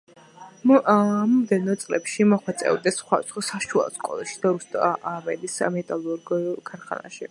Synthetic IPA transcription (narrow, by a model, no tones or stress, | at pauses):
mɔmd̪ɛnɔt̪sʼlɛpʃimɔχwɛt̪sʼɛ̰vd̪ɛsːχwad̪at̪sχɔsaʃua̰skʼɔlˠaʃid̪̥aɾust̪ʼaavɛlismɛt̪ʼalˠuɾɡkʰaɾχa̰na̰ʃḭ